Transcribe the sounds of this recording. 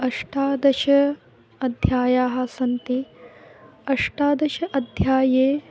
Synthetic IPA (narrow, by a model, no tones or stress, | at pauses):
ɐʂʈaːd̪ɐʃɐ | ɐd̪ʱjaːjaːɦɐ̆sɐnt̪i | ɐʂʈaːd̪ɐʃɐʔɐd̪ʱjaːjeː